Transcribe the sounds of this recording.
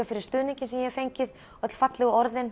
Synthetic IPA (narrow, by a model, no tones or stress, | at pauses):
afɪɾɪɾst̪ʏːðniɲcɪnsɛmjɛɛfejɲcɪð | œt̪l̥fat̪lɪɣʏɔɾðɪn